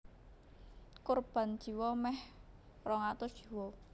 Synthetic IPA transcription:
korb̥a̤n̥ʒ̥i̤wɔmɛh | rɔŋat̪ɔd̥ʒ̥i̤wɔ

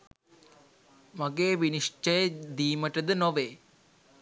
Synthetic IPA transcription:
maɡeːʋiniʂʈəjəd̪iːməʈəd̪ənoʋeː

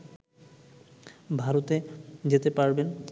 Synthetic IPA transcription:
bʱaɾot̪ed͡ʑet̪epaɾben

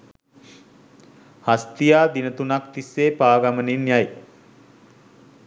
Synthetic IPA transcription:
hast̪ijaːd̪inət̪unakt̪isːeːpaːɡamənenjaj

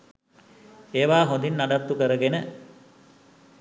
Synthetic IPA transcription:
eːʋaːɦõnd̪inːaɖat̪ːukəɾəɡenə

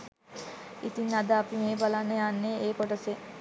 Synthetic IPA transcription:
it̪inad̪əapimeːbalanːəjanːeeːkoʈəse

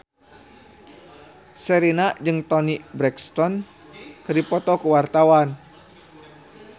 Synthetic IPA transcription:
səɾinad͡ʒɨŋt̪ɔnibɾɛkst̪ɔn | kɨdipɔt̪ɔkuwart̪awan

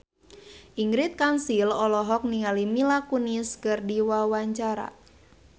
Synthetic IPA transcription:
ʔiŋɡɾit̪̚kansilɔlɔɦɔk̚niŋalimilakuniskɨrdiwawaɲt͡ʃaɾa̰

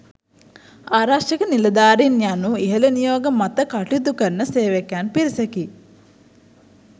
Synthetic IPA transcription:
aːɾaʂɐkənilɐd̪aːɾinjanːuiɦɐlɐnijoːɡɐmɐt̪əkaʈit̪ukɐɾnəseːʋekjanpiɾisɐki

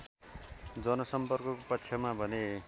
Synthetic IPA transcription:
d͡zʌnʌsʌmpʌrkʌkopʌtːsʰʌmabʱʌne

